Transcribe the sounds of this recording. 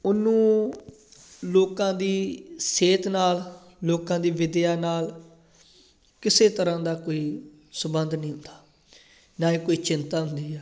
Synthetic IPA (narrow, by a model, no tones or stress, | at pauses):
ʊnũː | loːkãːd̪iːseːt̪naːl | loːkãːd̪iːʋɪd̪ɪjaːnaːl | kɪseːt̪əɾãːd̪aːkoːiː | sʊbənd̪nĩːɦʊ̃nd̪ḁː | naːĩːkoːiːt͡ʃɪnt̪aːɦʊnd̪iːɛː